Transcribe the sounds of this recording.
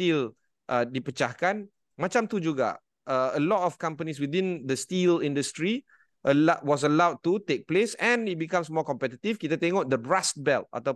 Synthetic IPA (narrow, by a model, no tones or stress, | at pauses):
til | ʔədipət͡ʃahkãn | mat͡ʃãmt̪ud͡ʒuɡa̰ | ʔəəlɔtɔfkãmpəniswidĩnd̪əstilĩndəstɹi | ʔəlaʔwɔs̬əlawd̚tutek̚plesɛ̃nit̚bikãmsmɔkɔ̃mpɛt̪it̪ifkit̪at̪eŋoʔ̚dəbɹast̚bɛlta̰t̪a